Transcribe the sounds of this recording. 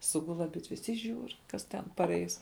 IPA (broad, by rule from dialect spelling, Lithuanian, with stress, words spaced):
ˈsʊɡʊlˠ ɐˈbʲɪdʲʋʲɛs ɪ ˈʒʲuːr ˈkɐs tʲɛn pɐˈrʲɛɪs